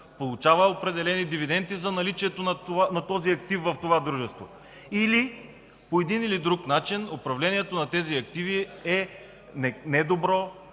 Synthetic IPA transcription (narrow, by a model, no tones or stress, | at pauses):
polˠut͡ʃavəopɾɛd̪ɛlɛnid̪ivid̪ɛnt̪izɐnɐlit͡ʃiɛt̪onɐanɐt̪ɔziɐkt̪ifvɐft̪ovad̪ɾuʒɛst̪vo̰ | ili | poɛd̪inilid̪ɾuknat͡ʃinopɾɐvlɛniɛt̪onɐt̪ɛziɐk̚t̪iviɛ | nɛnɛd̪obɾɔ